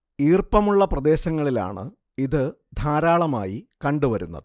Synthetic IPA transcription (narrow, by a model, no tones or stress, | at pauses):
iːrpɐmuɭːɐprɐd̪e̞ːɕɐŋːɐɭila̰ːɳɨ̰ | iðɨ | d̪ʱaːɾaːɭɐma̰ːjikɐɳɖuʋɐɾunːɐ̰ðɨ